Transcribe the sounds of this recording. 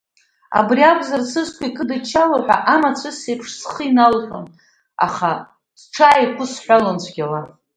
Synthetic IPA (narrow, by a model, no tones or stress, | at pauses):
a̰briakʷʰʼzarsɨskʷʰʼaikʼɨdat͡ʃʰalaħʷᶣa̰ʔamat͡sʷʰɨsepʰʂsχəinalħʷa̰n | a̰χa | sʈ͡ʂʰaːikʷʰʊsħʷalant͡ɕʷʰɡʲala